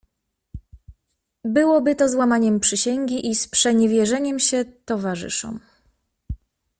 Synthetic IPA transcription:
bɘwɔbɘt̪ɔzwamaɲɛmpʂɘɕɛŋɡʲiʔispʂɛɲɛvʲjɛʐɛɲɛmɕɛt̪ɔvaʐɘ̰ʂɔ̰m

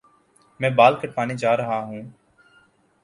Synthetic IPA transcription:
mɛ̃ːbaːlkəʈ̚paːneːd͡ʒaːɾəɦaːɦũː

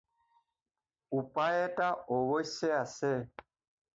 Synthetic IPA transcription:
upaɛtaɔwɔisɛasɛ

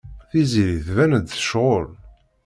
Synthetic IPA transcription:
θiziɾiθvænəd̪θə̥ʃʁol

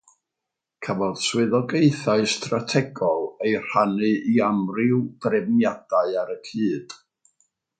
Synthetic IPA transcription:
kʰavɔð̥swɪðɔɡejθaɨstratʰɛɡɔlˠejr̥anɨʔiamrɪwd̥rɛvnjad̥aɨaɾəkʰiːd̥

